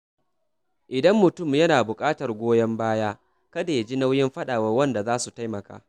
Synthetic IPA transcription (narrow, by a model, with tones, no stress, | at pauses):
ʔɪ˨dɐ˦mːʊ˨tʊ˦˨mjɐ˦naː˨bʊ˨kʼaː˦tɐ˨rɡʷoː˦jɐ˦mbaː˦jaː˦ | kɐ˦daː˨ja˦d͡ʒi˦na˦wjɪ˦mɸɐ˦ɗaː˨wɐ˦rwɐ˦nda˨zaː˦su˨ta˦jmɐ˨ka̰ː˦